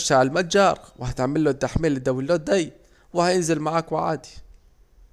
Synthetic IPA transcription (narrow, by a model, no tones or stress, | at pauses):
ʃaʕɪlmat̪̚d͡ʒɑːɾˤwhat̪ʕmɪlːot̪ːaħmeːlːɪd̪awɪlːoːt̪̚d̪ajː | wɪhajɪnzɪlmaʕaːkwɪʕa̰ːd̪i̥